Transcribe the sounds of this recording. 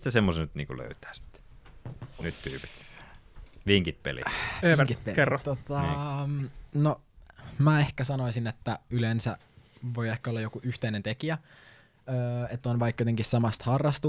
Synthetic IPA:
t̪æsemːosnyt̪nḭːŋkṵlø̰yt̪æ̥ːsi̥t̪ːe̥ | nyt̪t̪yːpi̥t̪ | ʋiŋkit̪̚pḛlḭekit̪pekerːot̪ot̪ɑ | no | mæehkæsɑnoisinet̪ːæylensæ̰ | ʋo̞jehkæolːɑjokuʔyht̪einent̪ekiæ | øːet̪ːonʋɑikːjot̪eŋkissɑmɑst̪hɑrːɑst̪u

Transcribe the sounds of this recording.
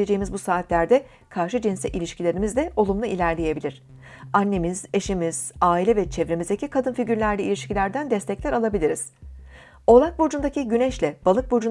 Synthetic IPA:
ed͡ʒejimizbusaːt̪ʰlʲæɾd̪ɛ | kʰaɾʃɯd͡ʒinsɛʔilʲiʃcilʲe̞ɾimizd̪ɛʔo̞lˠumlˠɯilʲæɾlʲeje̞bilʲiɾ̝̥ | anːe̞miz̥e̞ʃimiz̥aːilʲɛvɛt͡ʃʰevɾemizd̪ecʰikʰad̪ɯnfiɟyɾlʲæɾlʲiilʲiʃcilʲæɾd̪ænd̪ɛst̪ʰɛclʲæɾalˠabilʲiɾiz̥ | o̞lˠak̚bod͡ʒund̪aciɟynɛʃlʲɛb̥alˠɯk̚bod͡ʒun

